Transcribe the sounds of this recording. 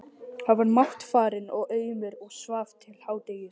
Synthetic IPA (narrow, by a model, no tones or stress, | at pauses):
havaɾmaht̪faːɾɪnɔɣeːjmɪɾɔɣsvaːft̪ʰɪl̥haːwt̪eːjɪɾ̥